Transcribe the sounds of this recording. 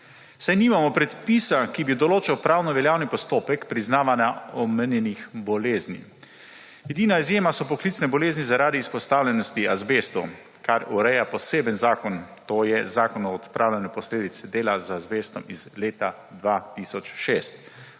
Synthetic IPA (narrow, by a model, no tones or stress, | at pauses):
sajniːmamɔpɾɛt̪pisakibid̪ɔloːt͡ʃɛwpɾaːwnɔʋɛljaːwnipɔst̪oːpɛkpɾiznaːʋanjaɔmɛnjɛnixbɔleːznḭ | ɛd̪iːnaizjeːmasɔpɔklit̪snɛbɔleːznizaɾaːd̪iːspɔst̪aːwlʲɛnɔst̪iazbeːst̪u | kaɾuɾɛjapɔseːbənzaːkɔnt̪oːjɛzaːkɔnɔːt̪pɾʔaːwlɛnɛpɔsleːd̪it̪sɛd̪eːlazazbeːst̪ɔmizleːt̪a | d̪ʋat̪isɔt͡ʃʃeːst̪